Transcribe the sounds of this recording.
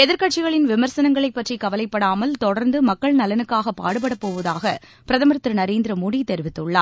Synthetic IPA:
ɛðɪɾkɐʈ̚t͡ʃɪɣɐɭɪnʋɪmɐɾsɐnɐŋɡɐɭɐɪpːɐʈrikɐʋɐlɐɪpːɐɽaːmɐlt̪ɔɽɐɾnd̪ɯmɐkːɐɭnɐlɐnɯkːaːɣɐpːa̰ːɽɯp̬ːɐɽɐpːoːʋɐðaːɣɐ | pɪɾɐðɐmɐɾɐt̪ːɪɾɯnɐɾeːnd̪ɪɾɐmʊɽit̪ɛɾɪʋɪt̪ːɯɭːa̰ː

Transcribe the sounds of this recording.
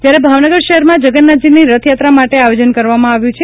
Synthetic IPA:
d͡ʒjaɾebʱaʋnəɡəɾʃəɦɛɾmãd͡ʒəɡənːad͡ʒiniɾət̪ʰjat̪ɾamaʈeajod͡ʒənkəɾʋamãaʋjũt͡ʃʰe

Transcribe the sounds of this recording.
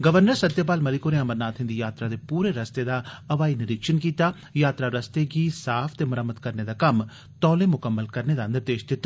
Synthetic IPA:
ɡəʋəɾnəɾsəd̪jap̬aːlməlɪkoːneɐməɾnaːt̪ɦɪ̃nd̪ijaːt̪ɾaːd̪eːpuːɾeɾəst̪eːd̪aːɐʋaːinɪɾɪkʃənkiːt̪aː | jaːt̪ɾaːɾəst̪eːɡiːsaːpʰt̪eːməɾəmːəd̪kəɾned̪aːkəm | t̪ɔːleːmʊkəmːəlkəɾned̪aːnd̪əɾd̪eːʃt̪ɪt̪

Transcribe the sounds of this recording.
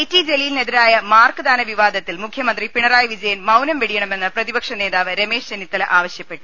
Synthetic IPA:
itːid͡ʑelijilned̪iɾaːjɐmaːrkɨd̪aːnɐʋiʋaːd̪ɐt̪ːilmukʰjɐmɐnd̪ripiɳɐraːjɐʋid͡ʑɐjɐnmɐwnɐmʋeɽijɐɳɐme̞nːɐprɐðibɐkʂɐne̞ːðaːʋɨɾemeːʂd͡ʑenit̪ːɐlɐʔaːʋɐɕjɐpːe̞ʈːu̥

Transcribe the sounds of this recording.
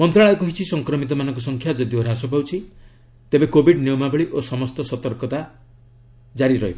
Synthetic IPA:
mɔnt̪ɾaɭɔɔkɔɦit͡ʃʰisɔŋkɾɔmit̪ɔmanɔŋkɔsɔŋkʰjad͡ʒɔd̪ioɾasɔpawt͡ʃʰi | t̪ebekobʱiɖniɔmaɡɔɭiʔosɔmɔst̪ɔsɔt̪ɔɾkɔt̪a | d͡ʒaɾiɾɔɦiba

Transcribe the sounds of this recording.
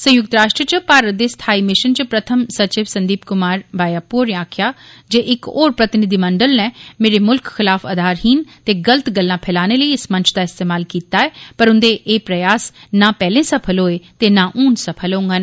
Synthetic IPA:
sə̃jʊk̚t̪ɾaːʃʈɾət͡ʃəpaːɾət̪̚d̪eːst̪ʰaːiːmɪʃənt͡ʃəpɾət̪ʰəmsət͡ʃɪʋsə̃nd̪iːpkʊmaːɾbaːjaːpoːɾẽaːkʰjaːd͡ʒeːʔɪkoːɾpɾət̪ɪnɪd̪iːməɳɖəlnɛ̃ːmeːɾemʊlkxɪlaːfʰəd̪ʱaːɾɦiːnt̪eːɡələt̪ɡəlːãːpʰɛːlaːñeləiɪsmə̃ɲt͡ʃʰd̪aːɪst̪eːmaːlkiːt̪aːɛːpəɾʊ̃nd̪eʔeːpɾəjaːsnãːpɛːlẽːsəpʰəlɦoːet̪eːnãːʔuːnsəpʰəlõːŋɡaːn

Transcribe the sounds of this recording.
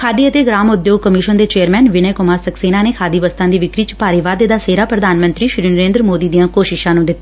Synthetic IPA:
kʰaːd̪iːət̪eːɡɾaːmʊd̪joːɡ̚kəmɪʃənd̪eːt͡ʃeːəɾmɛːnʋɪneːkʊmaːɾsəkseːnaːneːkʰaːd̪iːʋəst̪ãːd̪iːʋɪkɾiːt͡ʃpaːɾiʋaːd̪ed̪aːseːɾaːpɾəd̪ʱaːnmə̃nt̪ɾiːʃɾiːnəɾẽːnd̪ɾəmoːd̪iːd̪ijãːkoːʃɪʃãːnũːd̪ɪt̪ː

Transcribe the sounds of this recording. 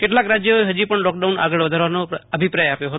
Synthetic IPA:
keʈlakɾad͡ʒjəeɦəd͡ʒipəɳlɔkɖauna̰ɡəɭʋəd̪ʱaɾʋanoəbʱipɾajapjoɦət̪

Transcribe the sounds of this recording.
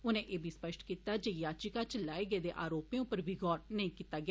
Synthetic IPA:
ʊnẽːʔeːbʱiːspəʃʈkiːt̪aːd͡ʒejaːt͡ʃikaːt͡ʃəlaːeːɡeːd̪eːʔaːɾoːpẽːʊpəɾbʱiːɡɔːʈnəĩːkiːt̪aːɡɪaː

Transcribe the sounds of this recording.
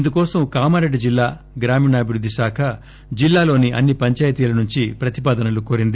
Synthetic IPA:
ind̪ukɔːsɐmkaːmɐɾeɖːid͡ʒilːaː | ɡɾaːmiːnɐːbʱiɾud̪ːiʃaːkʰɐ | d͡ʒilːaːlo̞ːniʔɐ̰nːipɐɲt͡ʃaːjt̪iːlɐnuɲt͡ʃipɾɐt̪ipaːd̪ɐnɐlukoːɾind̪i

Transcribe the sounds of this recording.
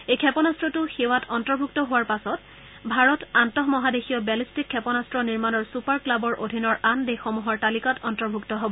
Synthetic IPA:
ejkʰɛpɔnastɹɔtʊxewatʰɔntɔɹbʱuk̚tɔɦʊwaɹpasɔt | bʱaɹɔtantɔɦmɔɦadexiɔbɛlistikʰːɛpɔnastɹɔniɹmanɔɹsupaɹklabɔɹʔodʱinɔɹandexomuɦɔɹtalikatɔntɔɹbʱuktɔɦobɔ

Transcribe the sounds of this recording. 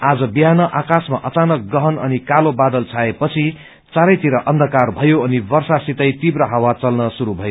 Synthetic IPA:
ad͡zʌbiɦanʌʔakasmaʔʌt͡sanʌk̚ɡʌɦʌnʌ̰nikalobad̪ʌlt͡sʰaepʌt͡sʰi | t͡saɾʌjt̪iɾʌʔʌnd̪ʱʌkarbʱʌjoʌnibʌrsasit̪ʌjt̪ibrʌɦawat͡sʌlnʌsuɾubʱʌjo

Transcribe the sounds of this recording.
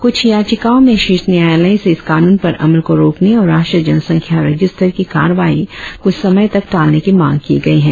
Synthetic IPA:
kʊt͡ʃʰjaːt͡ʃɪkaːõmẽʃɪɾsnjaːjaləiseɪskaːnuːnpɐɾʔɐ̰məlkoɾoːkneɔːɾaːʃʈɾid͡ʒɐnsɐ̃ŋkʰjaɾɐd͡ʒɪst̪ʰəɾkika̰ːɾəʋaːikʊt͡ʃʰsɐməjt̪ɐk̚ʈaːlnekimã̰ːŋɡkiːɡɐiɦɛ̃ː

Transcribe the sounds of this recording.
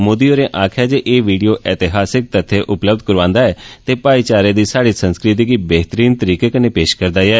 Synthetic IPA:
moːd̪iːoːɾẽːʔaːkʰjaːd͡ʒeːʔeːʋiːɖijoːʔɛːt̪ɪɦaːsɪk̚t̪ət̪ʰːeʔʊpləbd̪̚kəɾʋãːnd̪aːɛːt̪eːpaːit͡ʃaːɾed̪iːsaːɽiːsə̃nskɾɪt̪̬iːkiːbɛɦt̪əɾiːnt̪əɾiːkekənepeːʃkəɾd̪aːjɛː

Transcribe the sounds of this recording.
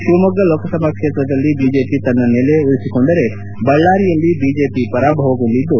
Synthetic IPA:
ʃuːmɐɡɐloːkɐsɐmaːkʂeːt̪ɾɐd̪ɐlːibiːd͡ʒeːpit̪ɐnːɐneleuɾisikoːnd̪ɐɾe | bɐɭːaːɾijɐlːibiːd͡ʒeːpipɐɾaːbʱɐʋɐkuɳɖid̪ːu

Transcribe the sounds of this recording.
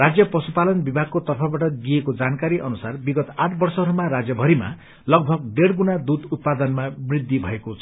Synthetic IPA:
rad͡zjʌpʌsupalʌnbibʱaɡ̚kot̪ʌrpʰʌbaʈʌɡiekod͡zankaɾiʔʌnusarbiɡʌt̪aʈʰbʌrsʌɾumaɾad͡zjʌbʱʌɾima̰ | lʌɡ̚bʱʌɡ̚ɖeɽɡunad̪ud̪ut̪̚pad̪ʌnmabrid̪ʱːibʱʌ̰ekot͡sʰ

